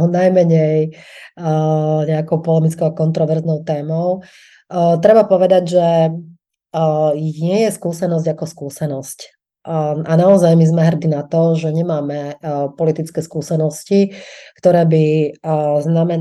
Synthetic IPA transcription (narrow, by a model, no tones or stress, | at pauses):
najmɛɲɛj | ɲɛakɔʊpɔlɛmit͡skɔʊakɔnt̪ɾɔʋɛɾznɔʊt̪ɛːmɔʊ | t̪ɾɛbapɔʋɛd̪aɟʒɛ | ɲɪɛjɛskuːsɛnɔzɟakɔskuːsɛnɔsc | ʔanaɔzajmizmɛɦr̩d̪inat̪ɔʒɛɲɛmaːmɛpɔlit̪it͡skɛːskuːsɛnɔscikt̪ɔɾɛːbi | znamɛ